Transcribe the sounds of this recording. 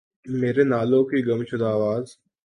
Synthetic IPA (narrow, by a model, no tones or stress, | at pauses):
meːɾenaːlõkiɡəmʃʊd̪aːʋaːz